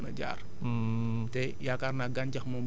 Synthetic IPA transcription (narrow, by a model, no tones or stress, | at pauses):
məd͡ʒa̰r̩ | de | jakarnaɡaɲt͡ʃahmom